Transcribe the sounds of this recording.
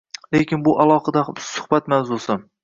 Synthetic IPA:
lekʲinbuʔɑlˠɑqɨd̪ɛbsʊ̥χbɛt̪mɛwzusɨ

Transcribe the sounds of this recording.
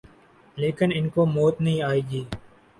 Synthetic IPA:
leːkɪnɪnkoːmoːt̪nəɦĩːaːiːɡiː

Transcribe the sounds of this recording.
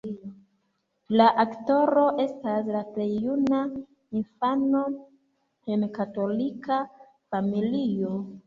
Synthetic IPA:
laʔakto̞ɾo̞ʔe̞staslaple̞jːuna | infano̞ | henkato̞lika | familio

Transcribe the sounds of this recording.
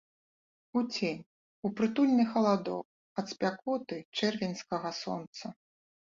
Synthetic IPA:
ut͡sʲenʲ | upɾɨt̪ulʲnɨxɐlˠad̪ɔ̰k̚ | ɐt̪spʲakɔt̪ɨt͡ʂɛrvʲenʲskɐɣɐsɔ̰nt̪sɐ

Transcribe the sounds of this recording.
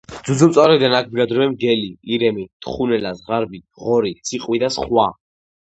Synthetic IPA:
d̪zuzumt̪sʼaɾɛid̪anak̚ʰbɡad̪ɾɛvɛmɡɛliiɾɛmit̪χunɛlazʁaɾbi | ʁɔɾit̪sʰiqʼwid̪asχwa

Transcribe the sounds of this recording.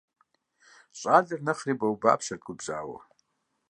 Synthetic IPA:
ɕʷʼazarnɨχribawba̰pʰʃarkʷʼʊbza̰ːwa̰

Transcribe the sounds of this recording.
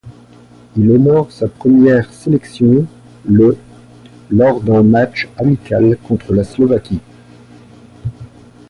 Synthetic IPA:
ilɔnɔʁsapχəmjɛʁselɛksjɔ̃ | lɔʁd̪ɛ̃mat͡ʃamikʲalkɔ̃t̪χəlaslɔvakʲi

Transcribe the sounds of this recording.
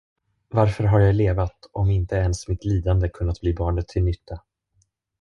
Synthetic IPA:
vaɾfœɾɦaɾjajleːvat̪ɔmɪnt̪əɛnsmɪt̪liːd̪and̪əkʰɵnːat̪̚b̥liːbɑːɳət̪ʰːɪlnʏt̪ʰːa

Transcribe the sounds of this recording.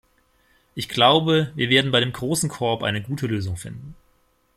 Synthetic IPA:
ʔɪçɡ̥laʊbəviːɐveːɐdn̩baɪdeːmɡʁoːsn̩kʰɔɐpʔa̰ɪnəɡuːtʰəløːzʊŋfɪ̰ndn̩

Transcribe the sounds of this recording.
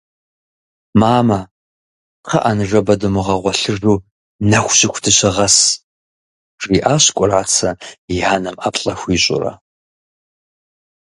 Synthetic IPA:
maːmɐ | qʰɐ̰ʔanɨʐɐbɐdɨmɨʁɐʁʷɔɬɨrruː | nɐxʷɕʼɪxʷdʰɨɕɐʁɐs | riːʔaːɕkʷʼʊraːt͡sʰɐjaːnɐmʔaːpɬʼɐxʷiːɕʼʊ̰rɐ̰

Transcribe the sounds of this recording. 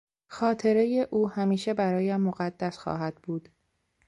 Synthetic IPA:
xɒːt̪ʰe̞ɾe̞jeʔuːhæmiːʃe̞bæɾɒːjæmːoɣæd̪ːæsxɒ̰ːɦæd̪̥buːd̪̥

